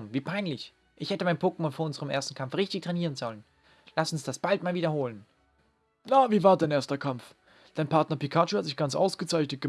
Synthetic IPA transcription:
mviːpʰaɪnlɪç | ʔɪçhɛtəmaɪnpʰoːkəmʊnfoːʔʊnzəʁəmʔḛːɐstn̩kʰamfʁɪçtɪçtʁ̥ɛniːʁ̞ənzɔlən | lasʊnsd̥asb̥altmaːlviːdɐhoːlən | naviːvaːɐdaɪnʔeːɐstɐkʰamf | d̥aɪnpʰaɐtnɐpikʰat͡ʃohatz̥ɪçɡ̥ant͡sʔa̰ʊsɡ̥ət͡saɪçnət̚ɡ̥ə

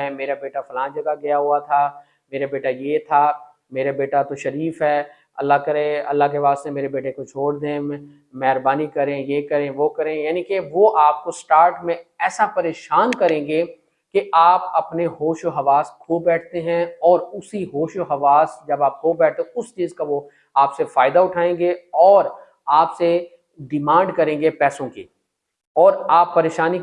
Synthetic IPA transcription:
ɛ̃meːɾabeːʈafɐlãːd͡ʒɐɡaɡɪjaɦʊat̪ʰaː | meːɾabeːʈajet̪ʰaː | meːɾabeːʈat̪oʃɐɾiːfɦɛː | ɐ̰lːakɐɾẽɐ̰lːakepaːst̪emeːɾebeːʈekot͡ʃʰoːɽd̪ẽ | mɛːɾbaːnikɐɾẽjeːkɐɾẽʋokɐɾẽjaːnikeʋoʔaːp̚kosʈaːɾʈmẽɛːsapɐɾeːʃaːnkɐɾẽːɡe | keaːpɐpneɦoːʃoɦɐʋaːskʰoːbɛːʈʰt̪eɦɛ̃ɔːɾʊsiɦoːʃoɦɐʋaːsd͡ʒɐbaːp̚kʰoːbɛːʈ̚ʰt̪eʊst͡ʃiːzkaʋo | aːpsefaːɪd̪aʊʈʰaːẽːŋɡeɔːɾ | aːpse | ɖɪmãːɳɖkɐɾẽːŋɡepɛːsõkḭː | ɔːɾaːpːɐɾeːʃaːni

